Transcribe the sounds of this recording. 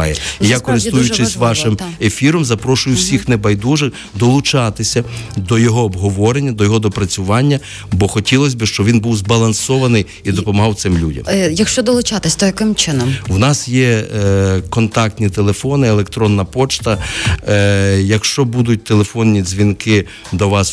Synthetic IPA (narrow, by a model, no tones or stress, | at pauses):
jɛijakɔɾɪst̪ujʊt͡ʃɪsʲʋɑʃɪmefʲiɾɔmzɐpɾɔʃʊjʊwsʲixnebɐjd̪uʒɪk | d̪ɔlˠʊt͡ʃɑt̪ɪsʲɐd̪ɔjɔɦɔːbɦɔʋɔɾenʲːɐd̪ɔjɔɦɔd̪ɔpɾɐt͡sʲʊʋɑnʲːɐ | bɔxɔtʲilˠɔsʲbɪʃt͡ʃɔʋʲinbuwzbɐlˠɐnsɔʋɐnɪj | id̪ɔpɔmɐɦɑwt̪sɪmlʲudʲɐ̰mjɐkʃt͡ʃɔd̪ɔlˠʊt͡ʃɑt̪ɪsʲd̪ɔjɐkɪmt͡ʃɪnɔmwnɑsjɛ | kɔnt̪ɑk̚tʲnʲit̪elˠefɔnɪelˠekt̪ɾɔnːɐpɔt͡ʃt̪ɐ | jɐkʃt͡ʃɔbud̪ʊt̚ʲt̪elˠefɔnːʲizʲʋʲinkɪ | d̪ɔʋɑs